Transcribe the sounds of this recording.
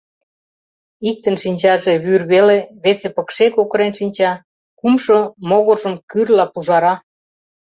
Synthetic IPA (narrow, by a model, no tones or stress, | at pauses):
ik̚t̪ənʃinʲt͡ɕɑʒeβyrβeleβesepə̆kʃekokɤɾenʃinʲt͡ɕɑ | kumʃomoɣoʒəmkyrlɑpuʒɑɾɑ